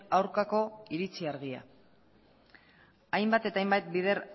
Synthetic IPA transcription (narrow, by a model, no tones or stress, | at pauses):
awɾkako̞iɾit͡siaɾɣia̰ | ajmbat̪e̞t̪aːajmbajt̪̚bið̞e̞ɾ